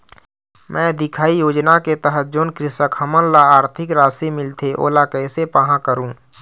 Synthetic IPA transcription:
mʔɛ̃ːd̪ɪkʰaːijoːd͡ʒnaket̪əɦət̪̚d͡ʒoːnkɾɪsəkɦəmənlaaːɾt̪ʰɪkɾaːsemɪlt̪ʰeʔo̰ːlakɛːsepaɦãkəɾũː

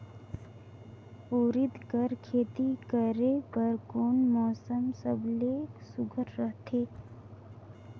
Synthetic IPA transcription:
oːɾɪd̪kəɾkʰeːt̪ikəɾebəɾkoːnmɔːsəmsəbleːsʊɡʱəɾːəɦt̪ʰeː

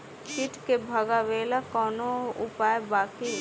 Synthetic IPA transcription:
kɪʈkebʱɐɡaʋeːlakɔːnoʊpaːjbaːki

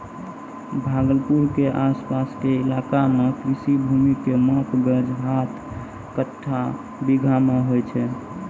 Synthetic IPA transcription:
bʱaɡəlpuɾkeʔaspaskeɪlakamekɾisibʱumikemɔpɡed͡ʒɦat̪ʰ | kəʈʰːa | biɡʱameɦojt͡ʃʰɛ

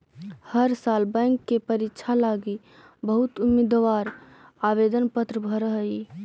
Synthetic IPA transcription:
həɾsalbə̃ŋkːepəɾitːt͡ʃʰalaɡi | bəɦut̪umid̪ʋaɾ | aβed̪ənpət̪ɾəbʱəɾəɦəi

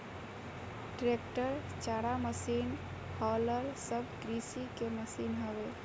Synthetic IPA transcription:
ʈɾekʈəɾ | t͡ʃaɽaməsin | hɔləɾsəbɡɾisikeməsinɦəbe

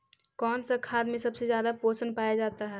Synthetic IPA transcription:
kɔːnsakʰaːd̪mẽsɐbsezjaːd̪apoːsənpaːjad͡ʒaːt̪aɦɛː

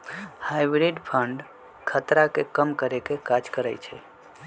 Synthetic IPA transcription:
hajbɾiɖpʰəɳɖ | kʰət̪ɾakekəmkəɾekekad͡ʒkəɾə̰jt͡ʃʰɛ

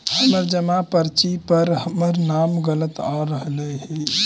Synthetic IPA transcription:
həməɾd͡ʒəmapəɾt͡ʃipəɾɦəməɾnamɡələt̪aɾəɦlɛɦɛ

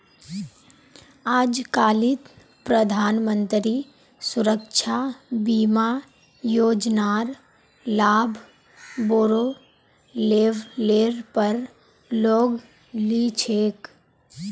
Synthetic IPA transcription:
aːd͡ʒkaːlit̪ | pɾəd̪ʱaːnmə̃nt̪ɾi | sʊɾəkʃʰabiːma | joːd͡ʒnaːɾ | laːbʱ | boːɾo | leːʋleːɾpəɾ | loːɡ | lit͡ʃʰeːk

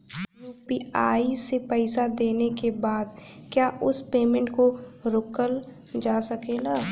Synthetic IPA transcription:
juːpiaːisepɛɪsad̪eːnekebaːd̪kjaːʔʊspeːmẽɳʈkoɾʊkəl | d͡ʒaːsɐkeːlaː

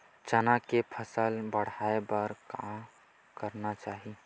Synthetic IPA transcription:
t͡ʃənakepʰəsəlbəɽ̤aːebəɾkaːm | kəɾnat͡ʃaːɦi

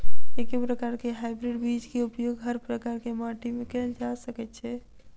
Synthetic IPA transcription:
ekepɾəkaɾkeɦajbɾiɖbid͡ʒkeupjoɡɦəɾpɾəkaɾkemaʈimekɛld͡ʒasəkɛt̪̚t͡ʃʰɛ

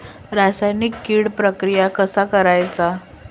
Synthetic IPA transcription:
ɾasajnikːiɽpɾəkɾijakəsakəɾajt͡sa

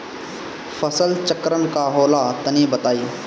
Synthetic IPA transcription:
fəsəlt͡ʃəkɾənkaɦoːlat̪ənibət̪aːjoː

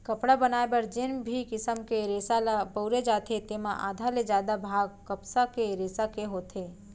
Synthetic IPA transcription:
kəpɽabənaːebəɾd͡ʒɪnbʱikɪsəmkeɾeːsalapəʊɾed͡ʒaːt̪ʰet̪emãʔa̰ːd̪ʱaled͡ʒjaːd̪abʱaːɡkəpsakeɾeːsakeɦoːt̪ʰe

